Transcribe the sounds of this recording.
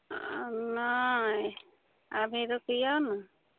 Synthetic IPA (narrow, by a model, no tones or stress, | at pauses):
naj | abʱiɾɔkɯjana